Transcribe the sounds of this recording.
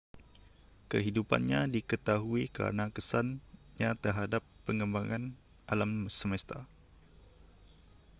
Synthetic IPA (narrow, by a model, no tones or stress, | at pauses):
kəɦidupa̰nɲadikət̪aɦuika̰ɾənakəsan | ɲãt̪ərɦadapːəŋəmbaŋan | ʔalamsəməst̪a